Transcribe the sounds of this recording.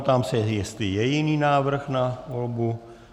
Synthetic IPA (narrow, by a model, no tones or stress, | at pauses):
t̪amsɛjɛst̪lɪjɛjɪniːnaːvr̩xnavolbu